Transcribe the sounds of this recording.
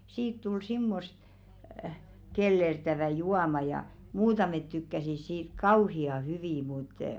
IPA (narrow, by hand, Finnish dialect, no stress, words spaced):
siːt tul simːost kelːertæʋæˑ juɑmɑ jɑ muːtɑmet tykːæsis siːt kɑuhiɑ hyʋiˑ mut